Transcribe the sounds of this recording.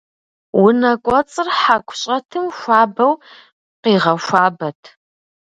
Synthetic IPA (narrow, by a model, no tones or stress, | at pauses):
wʊnɐkʷʼɔt͡sʼɨrħakʷʰʼɕʼɐtʰɨmʃʷaːbɐw | qiːʁɐʃʷaːbɐtʰ